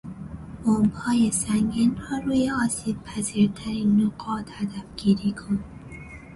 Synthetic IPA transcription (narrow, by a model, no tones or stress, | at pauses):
b̥ombhɒːjesæŋɡiːnrɒːɾuːjeɒːsiːb̚pʰæziːɾt̪ʰæɾinːoɡɒːt̪ʰhæd̪æfɡ̥iːɾiːkʰon